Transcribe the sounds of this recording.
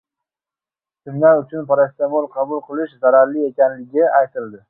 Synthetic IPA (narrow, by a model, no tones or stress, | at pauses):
t̪ʰɪmlaɾʊt͡ʃʰʊnpaɾast̪emolˠqʰɑbʊlˠqʰɨlˠɪʃzaɾaɾlɪe̞kʲanlɪɡʲɪajt̪ʰɪld̪ɪ